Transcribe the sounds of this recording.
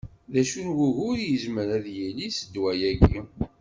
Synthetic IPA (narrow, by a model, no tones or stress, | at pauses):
ðæʃunʝuʝʊɾjəzməɾæðjilisəd̪wæjæɡi